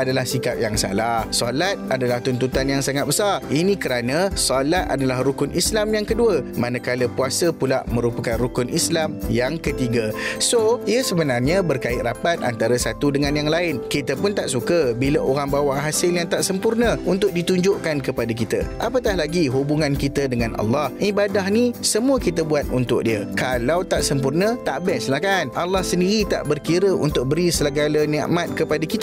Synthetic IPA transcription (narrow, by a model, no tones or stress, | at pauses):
adalahsikap̚jaŋsa̰lahsɔlat̪̚adalaht̪unt̪ut̪anjaŋsaŋat̪̚bəsarinĩkəɾanə̃sɔlat̪̚a̰dalahɾukʊnʔislamjaŋkəduəmãnə̃kaləpuasəpulaʔmə̃ɾupakanrukʊnʔislamjaŋkət̪iɡasoiəsəbənarɲãbərkaɪt̪̚rapat̪̚a̰nt̪aɾəsat̪udəŋãnjaŋlaɪnkit̪əpʊnt̪aʔsukəbiləʔoɾaŋbawaʔɦasɪljaŋt̪aʔsəmpurnə̃unt̪ʊk̚dit̪uɲd͡ʒʊʔkankəpadak̬it̪ə̰ʔapək̪ahlaɡiɦubuŋãnkit̪ədəŋãnʔɑ̰lːɑhibadaɦnisəmuəkit̪əbuat̪̚unt̪ʊ̰k̚diəkalawt̪aʔsəmpurnət̪aʔbɛslahkanʔalːɑhsəndiɾit̪a̰ʔbərkiɾəʔṵnt̪ʊk̚bəɾisələɡalənɛ̰̃ʔmat̪̚kəpadakit̪ə